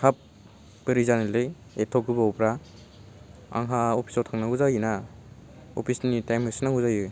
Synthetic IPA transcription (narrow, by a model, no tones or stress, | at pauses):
kʰap̚ | bɯɾizanilɯj | etʰɔkɯbawpɾa | a̰ŋɦaopʰi̥sɔtʰaŋnauzajɯna | ɔ̰pʰisnitajmɦɯjsinaŋuzajɯ